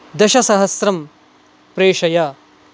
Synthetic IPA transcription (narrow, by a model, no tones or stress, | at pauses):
d̪ɐʃɐsɐɦɐsɾɐm | pɾeːʂɐjɐ